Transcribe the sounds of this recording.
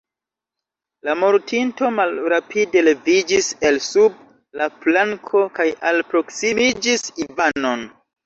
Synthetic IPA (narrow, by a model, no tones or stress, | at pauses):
lamoɾtinto̞malɾapʰide̞le̞vid͡ʒise̞lsub̚ | laplaŋkʰo̞kajalpɾo̞ksimid͡ʒisivano̞n